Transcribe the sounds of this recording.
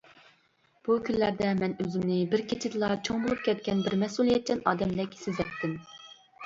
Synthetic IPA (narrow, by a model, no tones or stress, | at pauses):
b̥ukʲʰynlæɾd̪ɛmɛnøzɪmnɪbɪɾkʲet͡ʃʰɪd̪ɨlˠɑt͡ʃʰoŋbolˠup̚kʲʰɛt̪̚kʲɛnbɪɾmɛsulˠijɛt̪̚t͡ʃʰɛnɑːd̪ɛmd̪ɛkʲsɪzɛtt̪ʰːɪm